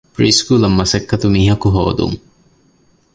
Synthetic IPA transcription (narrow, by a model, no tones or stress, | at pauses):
pɾiːskuːlɐmːɐsɐkːɐt̪umiːɦɐkuɦo̰ːd̪ṵŋ